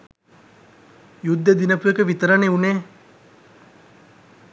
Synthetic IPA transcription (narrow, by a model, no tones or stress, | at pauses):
jud̪ːəd̪inəpujekəʋit̪əɾəneuneː